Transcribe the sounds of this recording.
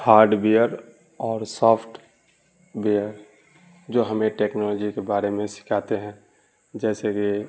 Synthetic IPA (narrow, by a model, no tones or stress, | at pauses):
haːɾɖbejəɾ | ɔːɾsɔːpʰʈ | bejəɾ | d͡ʒoɦəmẽʈeːknɔlɔːd͡ʒikebaːɾemẽsɪ̥kʰaːt̪eɦɛ̃ | d͡ʒɛːseki